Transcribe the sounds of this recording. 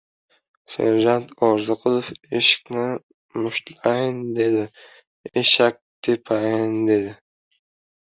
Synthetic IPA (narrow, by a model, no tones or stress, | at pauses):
sḛɾʒant̪ʰɒɾzɨqʰʊlˠofeʃɪ̥kʲnɪ | mʊʃt̪lajɪnd̪e̞d̪ɪ | eʃak̚ʲt̪ʰepʰajɪnd̪e̞d̪ɪ